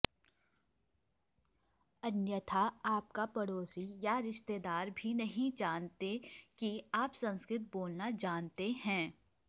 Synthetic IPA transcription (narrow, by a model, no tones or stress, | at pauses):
ɐnjət̪ʰaaːp̚kapɐɽoːsijaɾɪʃt̪eːd̪aːɾbʱinɐɦĩd͡ʒaːnt̪ekiaːpsɐ̃nskɾɪt̪̚boːlnad͡ʒaːnt̪eɦɛ̃ː